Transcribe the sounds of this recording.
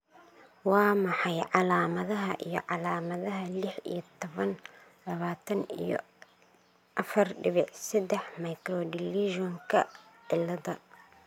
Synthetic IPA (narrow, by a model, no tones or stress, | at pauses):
wɑːmɑħɑjʕɑlaːmɐðɐɦɐʔijɔ̰ʕɑlaːmɐðɐɦɐlɪħḭjɔt̪ʰɔβɐn | lɐβaːt̪ʰɐnḭjɔ̰ | ʔɐfɐrɖɪβɪʕsɛd̪ɛħmɐjkɾɔdɪliʒɔŋkʰɐʕɪlːɐðɐ